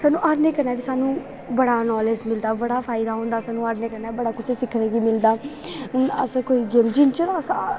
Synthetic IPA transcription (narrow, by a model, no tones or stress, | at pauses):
saːnũːʔaːɾneːkəɾnaːbiːsaːnũː | bəɽaːnɔːleːd͡ʒmɪld̪aːbəɽaːpʰaːɪd̪aːɦõːnd̪aːsaːnũːaːɾneːkəɾnaːbəɽaːkʊt͡ʃʰsɪkʰɾẽːɡiːmɪld̪aː | ʊnə̰skoːiːɡeːmd͡ʒɪnt͡ʃəɾs